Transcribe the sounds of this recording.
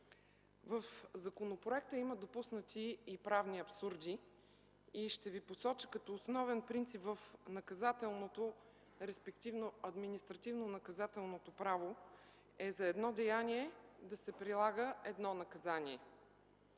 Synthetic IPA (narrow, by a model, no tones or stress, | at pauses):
vəfzɐkonopɾoɛk̚t̪əiməd̪opusnət̪iːpɾavniɐpsuɾd̪ʲi | iʃt̪ɛviposɔt͡ʃə̥kɐt̪ɔːsnɔvɛnpɾint̪sipvəfnɐkɐzat̪ɛlˠnot̪o | ɾɛspɛkt̪ivnoɐd̪minist̪ɾɐt̪ivnonɐkɐzat̪ɛlˠnot̪opɾavo | ɛzɐɛd̪nɔd̪ɛjanʲiɛd̪ɐsɛpɾilˠaɡəɛd̪nɔnɐkɐzaniɛ